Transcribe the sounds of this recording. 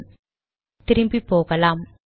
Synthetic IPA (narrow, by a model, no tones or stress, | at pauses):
t̪ɪɾɪmbipoːɣɐlaːm